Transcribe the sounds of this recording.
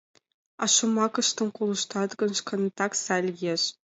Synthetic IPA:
ɑ̰ʂŭmɑkɤ̆ʃt̪ɤ̆nkulˠɤ̆ʃt̪ɑt̪ɡɤ̆nʃkʰɤ̆nt̪ɑksælʲjeʂ

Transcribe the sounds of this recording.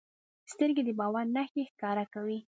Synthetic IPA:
st̪əɾɡed̪əbɑwaɾnaxexkɑɾakawi

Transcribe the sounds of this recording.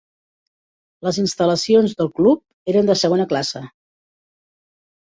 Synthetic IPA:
ləzinst̪ələsionzðəlˠklup̚eɾənd̪əsəɣonəklasə

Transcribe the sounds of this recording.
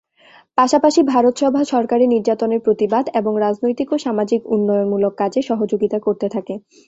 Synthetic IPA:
paʃapaʃibʱaɾot̪ʃɔbʱaʃɔɾkaɾiniɾd͡ʑat̪oneɾpɾot̪ibad̪eboŋɾad͡ʑnojt̪ikoʃamad͡ʑikunːɔjonmulokːad͡ʑeʃɔɦod͡ʑoɡit̪akoɾt̪et̪ʰake

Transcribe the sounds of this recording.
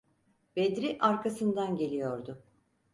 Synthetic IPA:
b̥ed̪ɾiʔaɾkʰasɯnd̪anɟe̞lʲijo̞ɾd̪ʊ

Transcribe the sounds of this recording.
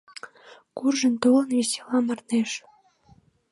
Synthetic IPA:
kurʒə̆nt̪olənvesʲe̥lɑmɑrneʃ

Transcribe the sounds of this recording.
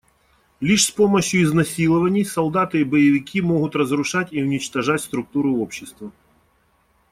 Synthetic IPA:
lʲiʂspo̞mɐɕjʊɪznɐsʲilˠəvənʲɪjsɐlˠd̪at̪ɨibɐjɪvʲɪkʲimo̞ɣʊt̪rəzɾʊʂatʲiʊnʲɪt͡ɕt̪ɐʐatʲst̪ɾʊk̚t̪uɾʊopɕːɪst̪vɐ

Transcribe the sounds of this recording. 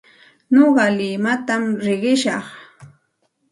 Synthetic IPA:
noɢɑlɪmat̪amɾɪɢɪʃɑχ

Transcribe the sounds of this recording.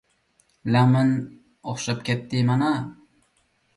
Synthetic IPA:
lamɪn | ɒχʃap̚kʲʰet̪ːɪmana

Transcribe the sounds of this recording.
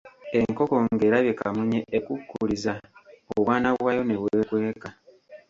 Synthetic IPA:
e̞ŋko̞ko̞ŋɡe̞ːɾaβje̞kamuɲeʔːkukːulizaoβwaːnaβwajo̞ne̞βwe̞ːkwe̞ːka

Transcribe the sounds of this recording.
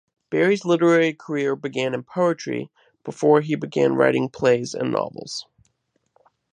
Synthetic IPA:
b̥ɛɹizlɪɾə˞ɛɹikʰə˞ɪɹbɨɡæ̃nɨ̃mpʰoʊɨt͡ʃɹ̥ḭ | b̥əfɔɹibɨɡæ̰̃nɹa̰ɪɾɪ̃ŋpʰl̥eɪzɨ̰̃nːɑ̰vl̩ˠz̥

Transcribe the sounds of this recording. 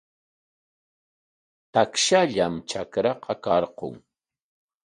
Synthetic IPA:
t̪akʃaʎamt͡ʃakɾɑqɑkɑɾqo̰ŋ

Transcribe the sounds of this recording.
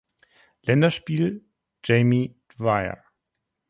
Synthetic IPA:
lɛndɐʃpiːl | d͡ʒɛɪmidvaɪɐ̰

